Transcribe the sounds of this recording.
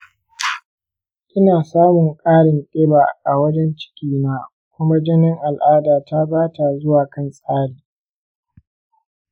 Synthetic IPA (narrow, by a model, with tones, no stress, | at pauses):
ʔɪ˦naː˨saː˦mʊ˨ŋkʼaː˦ɽɪ˨nɗʼɪ˦ba˨ʔa˨wɐ˦d͡ʒɛ˦nt͡ʃɪ̥˦kʲiː˨maː˦ | kʷʊ˦ma˦d͡ʒɛ˦nɪ˦ŋʔa˨lʔaː˦daː˨ta˦baː˦ta˨zʊ˦waː˨kɐ˦˨nsʼaː˦ɽiː˨